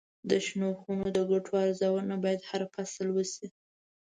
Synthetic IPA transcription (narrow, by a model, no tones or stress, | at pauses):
d̪əʃnoxunod̪əɡaʈʰoaɾzɑwənabɑjad̪haɾfasəlwəsi